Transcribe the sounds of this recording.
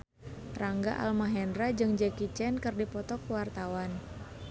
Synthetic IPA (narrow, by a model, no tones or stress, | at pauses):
raŋɡaʔa̰lmaɦɛndɾad͡ʒɨŋd͡ʒɛkit͡ʃɛnkɨrdipɔt̪ɔkwart̪awan